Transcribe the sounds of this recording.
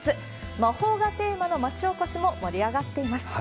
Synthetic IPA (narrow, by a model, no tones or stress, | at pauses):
t͡sɨ | maho̞ːɡat̪e̞ːmano̞mat͡ɕio̞koɕimo̞moɾʲiaɡat̪ːe̞imasɨ̥